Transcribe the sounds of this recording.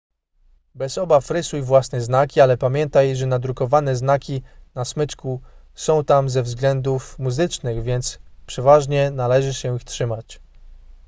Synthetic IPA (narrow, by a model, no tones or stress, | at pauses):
bɛzɔbafɾɘsujvwasnɛznakʲialɛpamʲjɛnt̪ajʐɛnad̪ɾukɔvanɛznakʲinasmɘt͡ʂku | sɔ̃w̃t̪amzɛvzɡlɛnd̪ufmuzɘt͡ʂnɘɣvʲjɛnt̪spʂɛvaʐɲɛnalɛʐɘɕɛixtʂɘmat͡ɕ